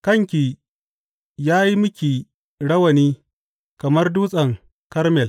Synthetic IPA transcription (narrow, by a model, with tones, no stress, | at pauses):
kɐ˦˨ŋkʲiː˨ | jaː˦ji˦mʊ˦kʲiː˨ | ɽɐ˦wɐ˨niː˦ | kɐ˨mɐ˦rduː˦sʼɐ˨ŋ | kɐ˦rmɛ˨l